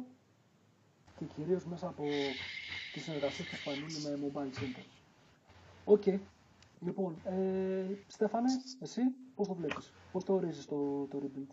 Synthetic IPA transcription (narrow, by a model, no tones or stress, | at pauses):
ce̞ciɾio̞zme̞sɐːpo̞ | t̪isineɾɣɐsiespuispɐnunime̞mobɐilse̞nt̪eɾ | o̞ce̞j | lipo̞nest̪e̞fɐne̞esipo̞st̪o̞vle̞pispo̞sθe̞o̞ɾizist̪ot̪o̞ɾibilt̪